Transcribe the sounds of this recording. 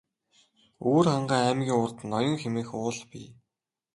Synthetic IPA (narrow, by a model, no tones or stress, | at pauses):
oːrχaɴɢaːæːmɣʲiːŋʊrt̪ə̆nːɔjɞ̆ŋxemeːxʊːɮpḭ